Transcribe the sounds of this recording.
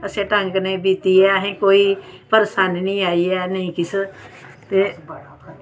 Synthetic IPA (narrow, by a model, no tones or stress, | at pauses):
əsẽːʈəŋɡnẽːbiːt̪iːɛːɦẽːkoːiːpəɾsaːnnĩːaːiːɛːnəĩːkɪs | t̪eː